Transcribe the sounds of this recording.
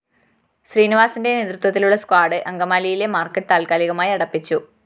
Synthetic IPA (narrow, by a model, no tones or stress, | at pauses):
ɕriːniʋaːsinde̞neːðrut̪wɐt̪̬ːiluɭːɐskwaːɽɨʔɐŋɡɐmaːlijile̞maːrkːɐʈːɨt̪aːlkaːliɣɐmaːjɐɽɐpːit͡ɕːu